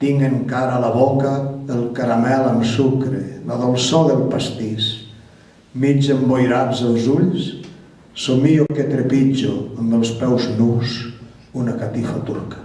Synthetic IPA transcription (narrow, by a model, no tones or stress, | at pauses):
t̪iŋeŋkaɾaːlaβɔkəːlˠkaɾamɛləmsukɾḛlaðolˠsoðəlˠpast̪is | mid͡ʒembojɾazəlˠzuʎs | somioket̪ɾepid͡ʒo̰əmbəlˠspɛwznus | unakat̪ifat̪uɾkḁ